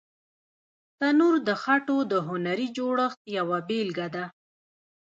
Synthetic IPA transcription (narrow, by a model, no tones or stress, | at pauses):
t̪anuɾd̪əxaʈod̪əɦʊnaɾid͡ʒoɽəxt̪̚jawabelɡad̪a